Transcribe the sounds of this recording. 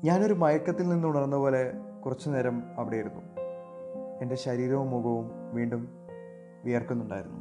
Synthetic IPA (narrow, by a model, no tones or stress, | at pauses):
ɲaːno̞ɾumɐjɐkːɐt̪ːilninːuɳɐrnːɐpo̞ːle̞kurɐt͡ɕːuneɾɐmɐʋiɽe̞jiɾunːu | e̞nde̞ɕɐɾiːɾɐʋumːuɣɐʋumʋiːɳɖum | ʋijɐrkunːuɳɖa̰ːjiɾunːu